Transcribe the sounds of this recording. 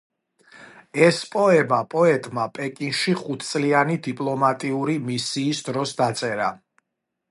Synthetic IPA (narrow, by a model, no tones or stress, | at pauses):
ɛspʼɔɛmapʼɔɛt̪ʼmapʼɛkʼinʃiχut̪ʰt̪sʼlianid̪ipʼlˠɔmat̪ʼiuɾimisiːsd̪ɾɔsd̪at̪sʼɛɾa